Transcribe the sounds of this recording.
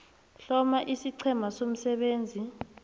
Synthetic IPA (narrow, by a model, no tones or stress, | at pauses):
ɬɔmaʔisiǀʰɛmasom̩sɛɓeːnd͡zʱi